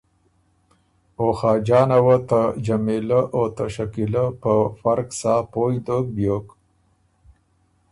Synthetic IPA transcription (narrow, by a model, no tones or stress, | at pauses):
oxɑːd͡ʒɑːnawət̪ad͡ʒamelaʔot̪aʃakiləpəfaɾksaːpojd̪ok̚bjok